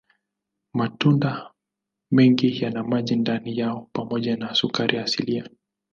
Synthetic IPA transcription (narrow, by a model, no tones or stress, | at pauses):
matunda | mɛŋɡijanamaʄindanijaɔpamɔʄanasukaɾʔiaːsilia